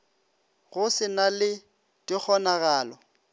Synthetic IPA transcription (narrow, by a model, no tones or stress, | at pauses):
ɣʊsɪnalɪ | tʼɪk͡xʰɔnaɣaːlɔ